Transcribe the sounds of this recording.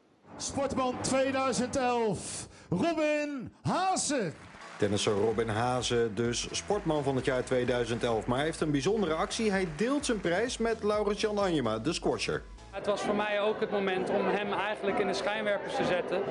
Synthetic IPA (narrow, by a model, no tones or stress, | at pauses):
spɔɹtmɑntʋejdœɥzəntɛlˠfrubɪnɦaːzə | tɛnɪsowrɔbɪnɦaːzədɵsːpɔɹtmɑnvɑnɦətjaːɹtʋejdœɥzəntɛlˠfmaːɹɦejftənbizɔndərəɑksiɦɛjdɪːlˠtsənprɛjsmɛtlɑwrənsjɑnɑɲəmaːdəskwɔɹsə̰ɹ | ətʋɑsfʊːɹmɛjowkɦət̚mowmɛntɔmɦɛmɛjχənləkɪnətsχɛjnʋɛɹpəstəzɛtə